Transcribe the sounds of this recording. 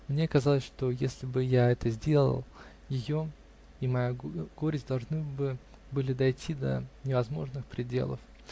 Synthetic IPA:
mnʲe̞kɐzɑlˠəsʲʂt̪o̞jesʲlʲɪbɨjaɛt̪əzʲdʲe̞lˠə̰lˠ | jɪjo | imɐjaɡ̥oɾʲɪzʲd̪ɐlˠʐnɨbɨbɨlʲɪd̪ɐjtʲʰid̪ə̰nʲɪvɐzmo̞ʐnɨxpɾʲɪdʲe̞̰lˠə̰f

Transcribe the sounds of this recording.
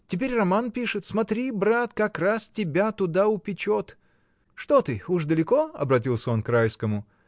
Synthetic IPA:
tʲɪpʲeɾʲrɐmanpʲiʂɨt̪smɐt̪ɾʲibɾat̪kɐkrastʲɪbʲat̪ʊd̪aʊpʲɪt͡ɕot̪ | ʂt̪ot̪ɨuʂd̪əlʲɪko̞ɐ̰bɾɐtʲilˠsʲəo̞nkɾajskəmʊ

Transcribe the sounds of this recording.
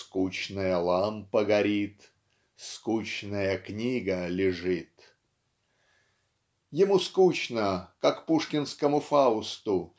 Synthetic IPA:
skut͡ɕnɨjəlˠampəɡɐɾʲit̪ | skut͡ɕnəjəknʲiɡəlʲɪʐɨt̪ | jɪmuskut͡ɕnəkakpuʂkʲɪnskəmʊfaʊst̪ʊ

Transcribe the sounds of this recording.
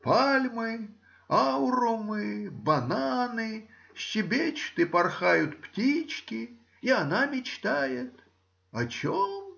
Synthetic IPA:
palʲmɨ | awɾʊmɨbɐnanɨ | ɕːɪbʲet͡ɕt̪ɨpɐrxajʊt̪ptʲit͡ɕkʲɪ | iɐnamʲɪt͡ɕt̪ajɪt̪ | ɐt͡ɕom

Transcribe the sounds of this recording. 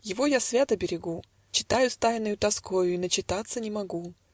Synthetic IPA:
jɪvo̞jasvʲat̪əbʲɪɾʲɪɡu | t͡ɕɪ̥t̪ajʊst̪ajnːɨjʊt̪ɐskojʊinət͡ɕɪt̪at̪sənʲɪmɐɡu

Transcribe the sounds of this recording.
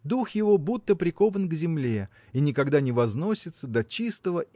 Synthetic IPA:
d̪uxjɪvo̞but̪ːəpɾʲɪko̞vənɡzʲɪmlʲe̞ | inʲɪkɐɡd̪anʲɪvɐzno̞sʲɪt̪səd̪ɐt͡ɕist̪əvə

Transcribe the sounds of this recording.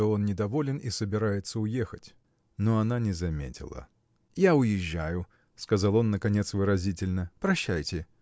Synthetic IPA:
oo̞nnʲɪd̪ɐvo̞lʲɪnisəbʲɪɾajɪt̪səʊje̞xətʲ | no̞ɐnanʲɪzɐmʲḛtʲɪ̰lˠə̰ | jaʊjɪʑːæjʊ | skɐzɑlˠo̞nːəkɐnʲe̞t̪svɨɾɐzʲitʲɪlʲnəpɾɐɕːæjtʲɪ

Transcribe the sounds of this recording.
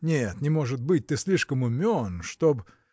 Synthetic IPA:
nʲet̪nʲɪmo̞ʐɨt̪̚bɨt̚ʲt̪ɨsʲlʲiʂkəmʊmʲonʂt̪ob

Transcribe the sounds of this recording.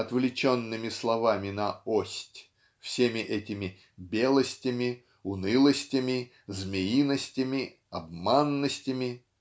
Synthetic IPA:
ɐt̪vlʲɪt͡ɕo̞nːɨmʲɪslˠɐvamʲɪnɐosʲtʲ | fsʲemʲɪʔɛtʲɪmʲɪ | bʲe̞lˠəsʲtʲɪmʲɪ | ʊnɨlˠəsʲtʲɪmʲɪ | zmʲɪinəsʲtʲɪmʲɪ | ɐbmanːəsʲtʲɪmʲɪ

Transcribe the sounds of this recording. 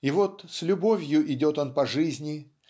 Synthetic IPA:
ɪvot̪sʲlʲʊbo̞vʲjʊʔɪdʲo̞t̪o̞npɐʐɨzʲnʲɪ

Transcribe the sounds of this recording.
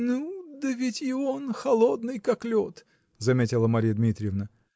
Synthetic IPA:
nud̪əvʲɪtʲɪonxɐlˠod̪nɨjkaklʲot̪ | zɐmʲetʲɪlˠəmɐɾʲijəd̪mʲit̪ɾʲɪjəvnə

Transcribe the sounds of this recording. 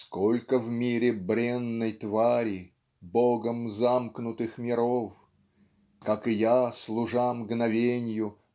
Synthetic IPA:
skolʲkəvmʲiɾʲɪbɾʲenːəjt̪vaɾʲi | boɡəmzamknʊt̪ɨxmʲɪɾof | kakɨjaslˠʊʐamɡnɐvʲenʲjʊ

